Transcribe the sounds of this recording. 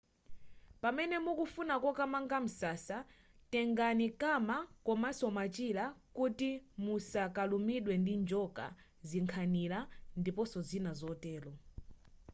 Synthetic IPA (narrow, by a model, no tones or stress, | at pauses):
pamɛnɛmukufunakɔkamaŋɡam̩sasa | tɛŋɡanikamakɔmasɔmat͡ʃilakutimusakalumiɗwɛndind͡ʒɔka̰ | ziŋkʰanilandipɔsɔzinazɔtɛːlɔ